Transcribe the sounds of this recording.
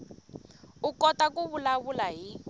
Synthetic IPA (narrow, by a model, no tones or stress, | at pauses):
ukɔtakuβulaβulaɦi